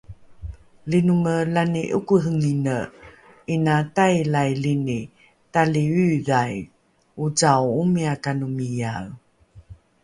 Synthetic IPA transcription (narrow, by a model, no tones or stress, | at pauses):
linuməlaniʔukuɦəŋinə | inatajlajlini | taliyðaj | ut͡sawumiakanumijaɣ